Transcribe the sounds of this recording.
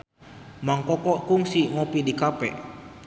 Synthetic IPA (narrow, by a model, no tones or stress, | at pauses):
maŋkɔkɔʔkuŋsiŋɔpidikapɛʔ